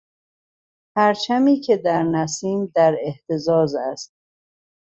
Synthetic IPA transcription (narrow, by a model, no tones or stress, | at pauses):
pʰæɾt͡ʃʰæmiːcʰe̞d̪æɾnæsiːmd̪æɾeht̪ʰe̞zɒːzæst̪̚